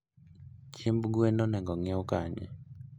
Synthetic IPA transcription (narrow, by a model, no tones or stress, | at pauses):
t͡ʃimbɡwɛnɔnɛŋɡɔŋɛukaɲɛ̰